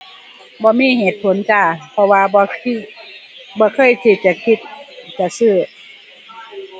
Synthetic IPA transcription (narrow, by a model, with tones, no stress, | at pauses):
bɔː˧miː˧˥˨heː˨˩t̪̚pʰo˨˩˦nt͡ɕaː˧˩pʰɔ˧waː˧bɔ˧ | bɔː˧˦kʰɤː˧˥˨jt̪ʰiː˧˩t͡ɕa˧˨kʰi˧˩t̪̚t͡ɕa˧˨sɯː˧˩˨